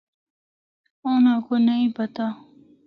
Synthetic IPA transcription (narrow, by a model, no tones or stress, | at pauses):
oːnãkonɐĩpɐt̪aː